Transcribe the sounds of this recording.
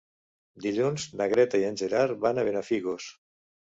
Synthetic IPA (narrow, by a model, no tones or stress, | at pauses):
d̪iʎunznaɣɾɛt̪aienʲʒeɾaɾβanaβenafiɣos